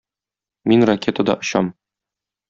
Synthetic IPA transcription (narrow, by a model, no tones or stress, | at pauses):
minrɐkʲet̪əd̪ɒ̰ʔŏɕɑm